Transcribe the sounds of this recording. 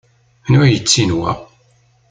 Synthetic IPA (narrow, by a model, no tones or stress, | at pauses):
nujət͡sːinwæ̰